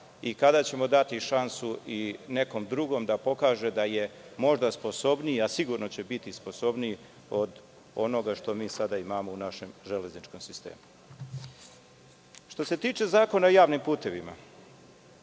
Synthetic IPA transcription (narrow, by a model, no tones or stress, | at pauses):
ikad̪at͡ɕe̞mo̞d̪at̪iʃansuine̞ko̞md̪ɾuɡo̞md̪apo̞kaːʒe̞d̪aje̞mo̞ʒd̪aspo̞so̞bniiasiɡuɾno̞t͡ɕe̞bit̪isposo̞bni | o̞d̪ | o̞no̞ɡaʃt̪o̞miːsad̪aimamounaʃe̞mʒele̞znit͡ʃko̞msist̪ḛːmu | ʃt̪o̞se̞t̪iːt͡ʃe̞zaːko̞naojaːʋnimpuːt̪e̞ʋima̰